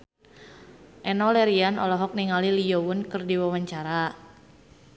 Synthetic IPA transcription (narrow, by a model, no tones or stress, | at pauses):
ʔɛnɔlɛɾianɔlɔɦɔk̚niŋalilijɔwʊnkɨrdiwawaɲt͡ʃaɾa